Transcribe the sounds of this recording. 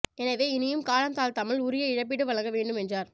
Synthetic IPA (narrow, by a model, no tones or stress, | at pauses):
ɛnɐʋeːɪnɪjɯmkaːɻɐnt̪aːlt̪ɐmɪɭʊɾɪjɐɪɻɐp̬ːɪɽɯʋɐɭɐŋɡɐʋeːɳɖɯmɛndraːɾ